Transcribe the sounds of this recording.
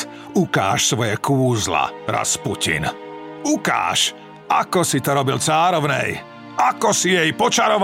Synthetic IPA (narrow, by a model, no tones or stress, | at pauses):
uka̰ːʃsʋɔjɛkuːzla̰ɾa̰spucḭn | uka̰ːʃ | ʔakɔsit̪ɔɾɔbilt͡saːɾɔʊnɛ̰j | akɔsijɛjpɔt͡ʃaɾɔʋ